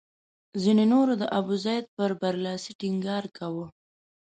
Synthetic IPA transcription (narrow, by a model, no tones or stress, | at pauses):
zinenoɾod̪əʔabuzɑjd̪̚pəɾbaɾlɑsiʈiŋɡɑɾkawə